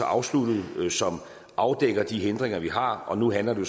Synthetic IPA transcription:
ɒʔɑ̈ʊslud̥ð̩ˠsɒ̽m | ʔɑ̈ʊd̥eɡ̥ɐd̥iɦend̥ʁeŋɐʋiɦɑ̈ʔɒ̽nuɦænlɐd̥e̝

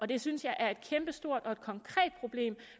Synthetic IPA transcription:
ʔɒ̽d̥e̝synsjɑ̈ɪʔæɐe̝d̥̚kʰemb̥əsd̥o̝ɐ̰d̥ɒ̽e̝d̥̚kʰɒ̽ŋkʰʁɛ̰ːd̥̚pʰʁo̝b̥le̝̰ːm

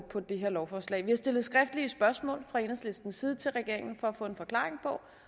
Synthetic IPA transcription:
pʰɒ̽d̥e̝ɦeɐlɒʊfɒːslɛ̰ːɪʋihɑ̈sd̥e̝lð̩ˠsɡ̥ʁɛfd̥liəsb̥ɶɐsmɔ̰̽ːlfʁɑ̈e̝ːnɐsle̝sd̥n̩siːð̞ˠət͡sʰe̝lʁɛɡ̥e̝ɐ̰eŋn̩fɒ̽æfɔ̰̽ːe̝nfɒ̽kʰlɑ̈ːʁeŋpʰɒ̽

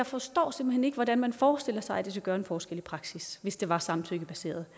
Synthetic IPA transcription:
ɑ̈ɪfɒ̽sd̥ɒ̰ːse̝m̰b̥̩hene̝ɡ̥əʋɒdænmænfɒːsd̥e̝l̰ɐsɑ̈ɪæd̥es̬æɡ̥ɶːɐe̝nfɒːsɡ̥el̰ipʰʁɑ̈ɡ̥sisʋe̝sd̥e̝ʋɑ̈sɑ̈mn̩t͡sʰøɡ̥əb̥æse̝̰ːɐð̞̩ˠ

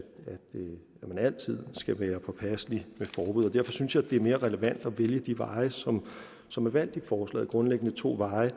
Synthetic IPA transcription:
æd̥ | æmænæl̰t͡sʰið̞̰ˠsɡ̥æʋæːɐpʰɒ̽pʰæslimefɒːb̥uð̰ˠɒ̽d̥æɐfɒ̽synsjɑd̥e̝æɐme̝ːɐʁɛləʋæn̰d̥ɒ̽ʋeljəd̥iʋɑ̈ɪəsɒ̽m | sɒ̽mæɐʋæn̰d̥ifɒːslɛ̰ːð̩ˠɡ̥ʁɔ̽nleɡ̥ənət͡sʰo̝̰ːʋɑ̈ɪə

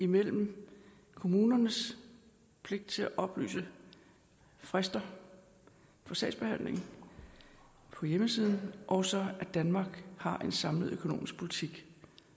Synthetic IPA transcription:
imel̰m̩ | kʰo̝muːnɐnəs | pʰle̝ɡ̥̚d̥̚t͡sʰe̝læʔɒ̽b̥ly̰ːsə | fʁasd̥ɐ | fɒ̽sd̥ɛ̰ɪ̥sb̥e̝hæn̰le̝ŋ | pʰɒ̽jeməsiːð̞ˠn̩ʔɒʊsɒ̽æd̥ænmɑ̈ːɡ̥hɑ̈ʔe̝nsɑ̈mləð̩ˠøkʰo̝no̝̰ːmisɡ̥̚pʰo̝lit͡sʰiɡ̥

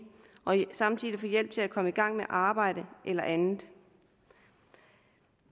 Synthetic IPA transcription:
ʔɒ̽sɑ̈mt͡sʰið̰ˠifɒjel̰b̥̚t͡sʰe̝ækʰɒ̽məiɡ̥ɑ̈ŋ̰meʔɑ̈ːb̥ɑ̈ɪ̰d̥əʔelɐʔænð̩ˠ

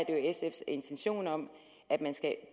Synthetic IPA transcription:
ɐd̥ejoesefse̝nt͡sʰenɕo̝̰ːnɒ̽m̰ | ʔæd̥mænsɡ̥æ

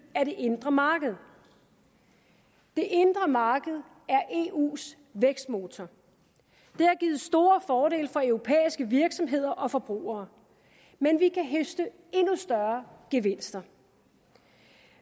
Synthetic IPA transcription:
æɐɾ̥e̝ʔe̝nd̥ʁɐmɑ̈ːɡ̥əð̞̩ˠ | d̥e̝ʔe̝nd̥ʁɐmɑ̈ːɡ̥əð̞̩ˠ | æɐʔe̝ṵːs | ʋeɡ̥sd̥mo̝ːt͡sʰɒ | d̥e̝æɐɡ̥iːð̩ˠsd̥o̝ːɐfɒːɾe̝̰ːlfɒ̽œʊʁo̝pʰḛːisɡ̥əʋiɐɡ̥sɒ̽mɦe̝ð̞̰ˠɐʔɒ̽fɒ̽b̥ʁṵːɐː | menʋikʰæɦøsd̥ə | e̝nusd̥ɶɐɡ̥eʋe̝n̰sd̥ɐ

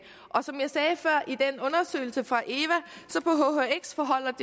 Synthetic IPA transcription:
ʔɒ̽sɒ̽mjɑ̈ɪsɛːfɶɐ̰ʔid̥enɔ̽nɐsø̰ɪl̩səfʁɑ̈ʔe̝ːʋæsɒ̽pʰɒ̽ɦo̝hoeɡ̥sfɒɦɒ̽l̰ɐd̥e

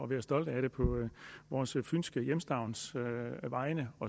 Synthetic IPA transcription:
ɒ̽ʋæːɐsd̥ɒ̽l̰d̥æɾ̥e̝pʰɒ̽ʋɒːsfynsɡ̥əjemsd̥ɑ̈ʊnsʋɑ̈ɪnəɒ̽

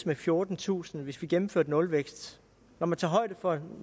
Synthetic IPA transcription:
smefjo̝ɐd̥n̩t͡sʰṵːsn̩ʋe̝sʋiɡ̥emm̩fø̰ɐd̥nɔ̽lʋeɡ̥sd̥ | nɒmænt͡sʰɑ̈ːɦɒ̽ɪ̰d̥əfɒ̽

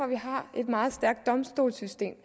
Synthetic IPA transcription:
ɒ̽ʋiɦɑ̈e̝d̥mɑ̈ːð̞̩ˠsd̥æɐɡ̥̚d̥ɒ̽msd̥o̝̰ːlsysd̥e̝̰ːm

